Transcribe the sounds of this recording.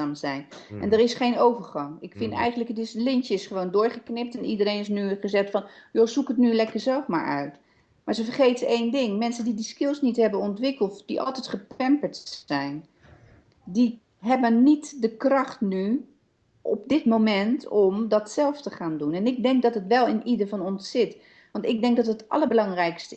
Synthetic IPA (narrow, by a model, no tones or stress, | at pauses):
amzɛjnʔɛ̰ndərɪsχejnowvəɹχɑŋɪkfɪntɛ̰jχəndləkədɪslɪntjɪsχəʋowndʊːɹχəknɪp̚tɛnidərejnɪs̬nyχəzɛχtfɔnjozukətnylɛkəɹzɛlˠfma̰ːɹœ̰ɥt | maːɹzəvərχejtəejndɪŋmɛnsəndidiskɪlˠsnitɦɛbənɔntʋɪkəlˠtd̥iʔɑ̰lˠtɛjtχəpɛmpəɹtɛjn | di | ɦɛbənːitdəkrɑχtny | ʔɔ̰p̚dɪtmowmɛntʰɔmdɑtsɛlˠftəχaːndunɛnɪɡ̚dɛŋk̚dɑtɦətʋɛlˠɪnʔidəvɑnɔnsːɪt | ʋɑntɪɡ̚dɛŋk̚dɑtətɑ̰ləbəlɑŋrɛjkstə